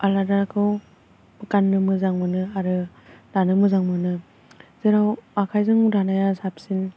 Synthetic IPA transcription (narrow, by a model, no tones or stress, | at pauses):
aladakʰɯw | kanːɯmɯzaŋmɯnɯaɾɯ | danɯmɯzaŋmɯnɯ | zeɾawakʰajzɯŋɾanajasap̚sin